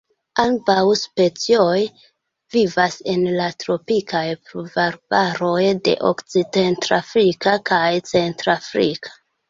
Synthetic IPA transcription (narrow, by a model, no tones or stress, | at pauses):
ambawspe̞t͡sio̞j | vivase̞nlatɾo̞pikajpɾuvaɾbaɾo̞jde̞̰ʔo̰kt͡sidentɾafɾikakajt͡se̞ntɾafɾikʰḁ